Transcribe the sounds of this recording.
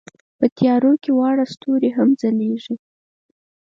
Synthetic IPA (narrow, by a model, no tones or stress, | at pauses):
pət̪jɑɾokewɑɽast̪oɾeɦamd͡zaleʐi